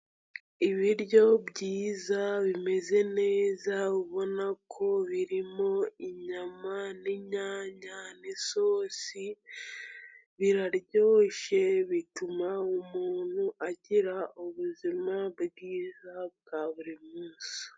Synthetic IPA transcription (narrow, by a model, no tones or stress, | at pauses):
iβiɾjo̞βɟiːzaβime̞ze̞ne̞ːzaβiβo̞nakʰo̞βiɾimo̞iɲamaneɲaːɲanesoːsi | βiɾaɾjo̞ːʃe̞βitumaumuːn̥huʔaɟiɾauβuzimabɡiːzabɡaːβuɾimuːsḁ